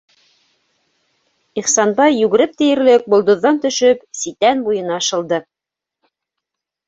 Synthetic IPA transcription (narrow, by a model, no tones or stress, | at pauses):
iχsɑnbɑjːʉɡɘ̆ɾɘp̚t̪ɘ̆jɘ̆ɾlɘk̚bŏlˠd̪ŏðːɑnt̪ɵ̆ʃɵpsit̪ænbujɤ̆nɑɑʃɤ̆lˠd̪ɤ